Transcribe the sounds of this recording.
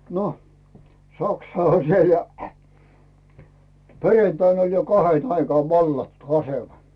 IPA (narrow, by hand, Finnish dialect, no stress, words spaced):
no sɑksɑ olʲ siel jɑ perentɑin olʲ jo kɑhen ɑikɑːʋ ʋɑlːɑtːu ɑsemɑ